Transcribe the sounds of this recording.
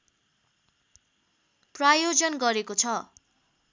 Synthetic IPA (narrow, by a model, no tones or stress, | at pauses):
prajod͡zʌnɡʌɾekot͡sʰʌ